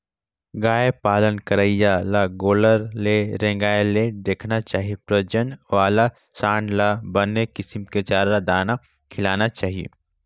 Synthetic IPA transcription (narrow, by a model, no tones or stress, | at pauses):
ɡaːepaːlənkəɾəijalaɡoːləɾleɾɛ̃ːŋɡaːeled̪eːkʰnat͡ʃaːɦiepɾəd͡ʒənʋaːla | sãːɳɖlabɐnːekɪsɪmket͡ʃaːɾːad̪aːna | kʰɪlaːnat͡ʃaːɦiḛː